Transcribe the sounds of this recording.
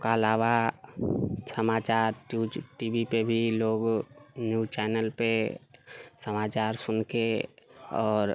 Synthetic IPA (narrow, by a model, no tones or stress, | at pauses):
kaəlaːʋa | səmaːt͡ʃaːɾʈuʈibipebʱiloːɡnjut͡ʃɛːnəlpe | səmaːt͡ʃaːɾsʊnke | ɔːɾ